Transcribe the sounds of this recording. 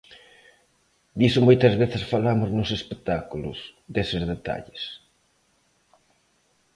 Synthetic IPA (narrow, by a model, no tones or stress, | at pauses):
d̪isʊmojt̪ɐzβeθɪsfalamʊznʊsespek̚t̪akulʊ̰sd̪esɪzðet̪a̰ʎɪs